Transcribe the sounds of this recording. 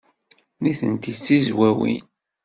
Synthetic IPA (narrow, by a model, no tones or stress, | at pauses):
niθə̰nt̪it͡sːizwæwḭn